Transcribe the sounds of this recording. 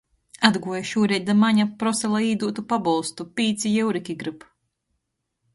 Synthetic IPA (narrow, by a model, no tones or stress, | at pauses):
ad̪ɡuɔjaʃuːɾɛjd̪amaɲapɾɔsɛlˠaiːd̪uːt̪upabɔlˠst̪upʲiːt̪sʲijɛwɾikʲiɡɾɨp